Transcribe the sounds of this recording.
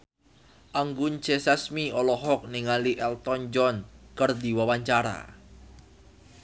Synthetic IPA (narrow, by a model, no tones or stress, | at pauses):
ʔaŋɡunt͡ʃesasmiɔlɔɦɔk̚niŋaliʔɛlt̪ɔnd͡ʒɔnkərd̪iwawaɲt͡ʃaɾa̰